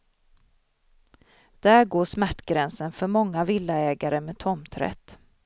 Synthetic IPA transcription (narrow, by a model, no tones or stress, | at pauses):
d̪̥æɾɡoːʂmæʈːɡɾɛnsənfœɾmɔŋːavɪlːaɛːɡaɾəmeːt̪ʰɔmt̪ʰɾɛ̰t̪ː